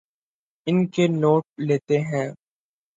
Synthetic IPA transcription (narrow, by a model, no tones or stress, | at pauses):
ɪnkenoːʈ̚leːt̪eɦɛ̃ː